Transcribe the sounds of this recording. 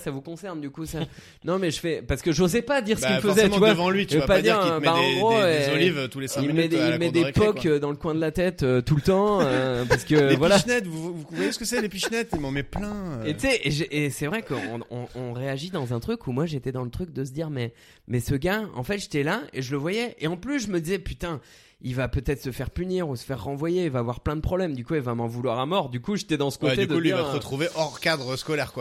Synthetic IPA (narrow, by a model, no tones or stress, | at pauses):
savukɔ̃sɛʁnd̪ykusa | nɔ̃mɛʒəfɛpaʁsə̥kəʒozɛpad̪iʁsəəkilfəzɛt̪yvwaəvɑ̃lɥivəvpad̪iʁmɛbaɑ̃ɡʁoolivt̪ulesɛ̃ilmɛd̪ilmɛd̪epɔkkød̪ɑ̃ləkwɛ̃d̪əlat̪ɛt̪øt̪ult̪ɑ̃øpaʁsə̥kəevwalaʃnɛt̪vuvuuvwajesə̥kəsɛlepiʃnɛt̪ilmɑ̃mɛplɛ̃et̪sɛʔeʒeʔesɛvʁɛkəɔ̃ɔ̰̃ɔ̃ʁeaʒid̪ɑ̃zɛ̃t̪χykʰumwaʒet̪ɛd̪ɑ̃lət̪χyk̚d̪əs̬əd̪iʁmɛ | mɛsəɡaɑ̰̃fɛt̪ʒe̥t̪ɛlaeʒələvwajɛʔeɑ̃plysʒəməd̪izɛpyt̪ɛ̃ | ilvapøt̪ɛt̪χsəfɛʁpyniʁusə̥fɛʁːɑ̃vwajeilvaːvwaʁplɛ̃d̪əpχɔblɛmd̪ykuevaɛmɑ̃vulwaʁamɔʁd̪ykuʒet̪ɛd̪ɑ̃sə̥kod̪ed̪əliʁvaʁət̪χuveʔɔʁkad̪ʁəskɔlɛʁkwa